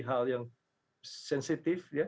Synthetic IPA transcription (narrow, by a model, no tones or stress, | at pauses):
ɦaljaŋ | sɛnsit̪ifja